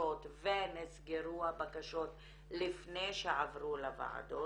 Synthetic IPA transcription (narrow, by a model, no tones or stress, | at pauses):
ot̪venisɡeʁuabakaʃo̞t̪ | lifnejʃeʕavʁulava̰ʕa̰d̪o